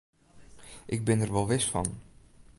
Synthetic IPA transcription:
ʔɪɡ̚bɪnərʋɔlˠʋɪsfɑ̰n

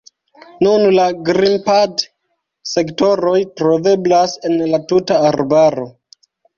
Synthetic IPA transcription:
nunlaɡɾimpad | se̞kto̞ɾo̞jtɾo̞ve̞blase̞nlatutaːɾbaɾo̞

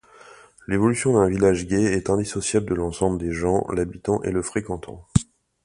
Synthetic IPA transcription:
levɔlysjɔ̃d̪ɛ̃vilaʒɡʲɛɛt̪ɛ̃d̪isɔsjabləd̪əlɑ̃sɑ̃bləd̪eʒɑ̃labit̪ɑ̃ʔeləfχekɑ̃t̪ʰɑ̰̃

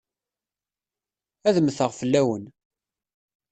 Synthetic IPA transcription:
æðəmθəʁfəlːæwən

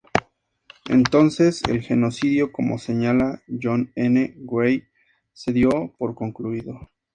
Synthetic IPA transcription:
e̞̰nt̪o̞nse̞sḛlxe̞no̞siðjo̞ko̞mo̞̰se̞ɲalaʝo̞neneɡwej | se̞ðjo̞po̞ɾko̞ŋkluiðo̞

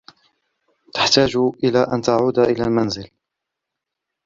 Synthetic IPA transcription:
t̪ḁħt̪aːd͡ʒʔɪlaːʔant̪aʕuːd̪aʔɪlaːlmanzɪl

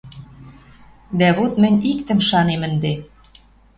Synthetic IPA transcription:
d̪æβot̪mɘ̆ɲʲikt̪ə̆mʃɑnemə̆nd̪e

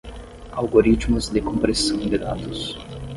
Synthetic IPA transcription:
alɡoɾit͡ʃ̪mʊzd̪ɪkõmpɾesɐ̃w̃d̪ɪd̪a̰d̪ʊs

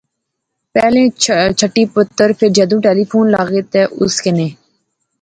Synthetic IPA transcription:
pɛːlẽːt͡ʃʰəʈːiːpʊt̪ːəɾpʰɪɾd͡ʒɛːd̪ũːʈeːliːpʰuːnlaːɡeːt̪eːʔʊ̰skɪneː

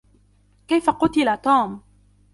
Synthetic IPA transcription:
kajfaqʊt̪ɪlat̪uːm

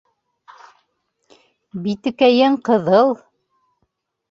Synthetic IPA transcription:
bit̪ɘ̆kæjɘɴqɤ̆ðɤlˠ

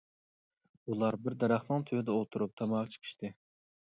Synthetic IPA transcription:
ulˠɑɾbɪɾd̪ɑɾɑχnɨŋt̪ʰøɪd̪ɛolˠt̪ʰuɾup̚t̪ʰɑmɑʁɑt͡ʃʰə̥qʰɨ̥ʃt̪ʰɨ

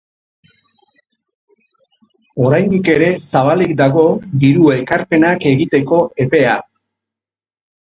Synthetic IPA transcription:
o̞ɾajnd̪ike̞ɾe̞saβ̞alikd̪aɣo̞d̪iɾue̞kaɾpe̞nake̞ɣit̪e̞ko̞e̞pe̞a

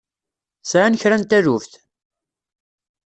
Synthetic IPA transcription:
sʕanəçɾænt̪æɾufθ

